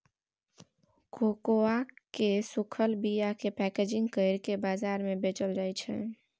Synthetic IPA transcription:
kokoakesukʰəlbijakepɛked͡ʒĩŋɡkəɪɾkebazaɾmebet͡ʃəld͡ʒajt͡ʃʰɛ̰

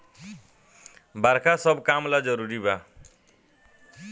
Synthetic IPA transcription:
baɾkʰasʌbkamlad͡zʌɾuɾiba

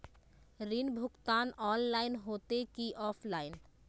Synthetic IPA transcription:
ɾinbʱukt̪anɔnlajnɦot̪ekiʔɔfʰlajn

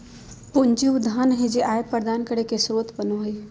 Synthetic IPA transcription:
pʊɲd͡ʒiʋd̪ʱaːnɦed͡ʒeʔaːjepəɾd̪aːnkəɽekesɾoːt̪bənoɦʊi

